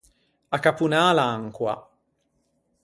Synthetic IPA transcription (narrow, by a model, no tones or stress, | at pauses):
akapunaːlaaŋkwa̰